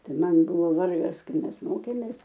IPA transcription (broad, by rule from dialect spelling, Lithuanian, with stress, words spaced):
ˈtɐɪ ˈmɐn ˈbʊʋoː ˈʋɐrɡɐs ˈkɐɪ ˈmʲɛs ˈmoːkʲeːmʲeːs